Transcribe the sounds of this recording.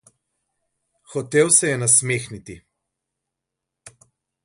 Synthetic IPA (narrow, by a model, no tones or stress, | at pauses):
xɔt̪ewsɛjɛnas̬meːxnit̪i